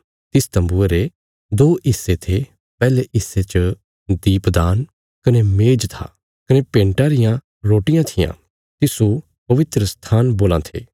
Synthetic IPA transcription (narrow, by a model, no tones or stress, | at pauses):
t̪ɪst̪ɐ̃mbueɾe | d̪oːʔɪsːet̪ʰe | pɛːleʔɪsːet͡ʃə | d̪iːpd̪aːn | kɐnemeːd͡ʒt̪ʰa̰ː | kɐnepẽːɳʈaɾɪjã | ɾoːʈɪjãt̪ʰɪjã̰ | t̪ɪsu | pɐʋɪt̪ɾəst̪ʰaːnboːlãt̪ʰḛː